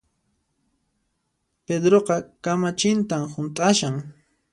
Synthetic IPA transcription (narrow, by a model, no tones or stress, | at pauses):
ped̪ɾoqɑkamat͡ʃɪnt̪amhʊnt̪ʼaʃaŋ